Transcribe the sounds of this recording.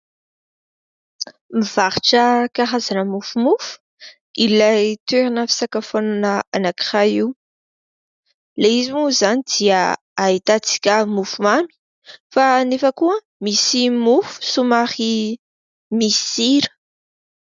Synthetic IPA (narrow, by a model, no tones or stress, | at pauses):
miv̥aɾiʈ͡ʂəkaɦazanəmufumufu̥ | ilajt̪eɾinafi̥sakafonanəanaki̥ʁajiw | leizimuzanid̪̥iə | ait̪at͡si̥kʲəmufumami̥ | fanefəkuə | misimufu̥sumaχi | misiɾə̥